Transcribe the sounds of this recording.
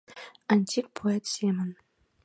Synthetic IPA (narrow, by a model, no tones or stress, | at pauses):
anʲt̪ʲik̚pʰoet̪sʲemən